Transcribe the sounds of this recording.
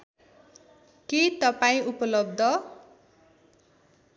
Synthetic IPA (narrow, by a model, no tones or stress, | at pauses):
kit̪ʌpaĩupʌlʌb̚d̪ʱʌ